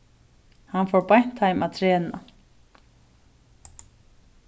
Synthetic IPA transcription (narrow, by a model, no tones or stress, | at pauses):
hanfɔɾpajn̥t̪hajmaðt̪ʰɾɛːna